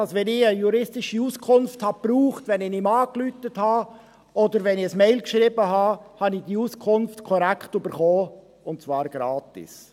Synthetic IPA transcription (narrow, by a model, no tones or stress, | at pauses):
ɑsʋɛnɪəjuɾɪstɪʃiuːskʰʊnfthɑb̥ruːχtvɛnɪnɪmɑːklyːtəthɑ | ʔodəɾvɛnɪəsmɛɪlkʃɾiːbəɦɑːhɑnɪd̥iuːskʰʊnftkʰɔɾækʰtybəɾχoː | ʊnt̚t͡svɑːɾɡ̥ɾɑːtɪ̰s